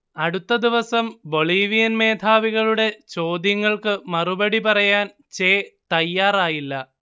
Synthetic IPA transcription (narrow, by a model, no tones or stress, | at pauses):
ɐɽut̪ːɐd̪iʋɐsɐmbo̞ɭiːʋijɐnme̞ːd̪ʰʱaːʋiɣɐɭuɽe̞t͡ɕo̞ːd̪jɐŋːɐɭkɨmɐrubɐɽipɐrɐjaːn | t͡ɕeːt̪ɐjːaːraːjilːɐ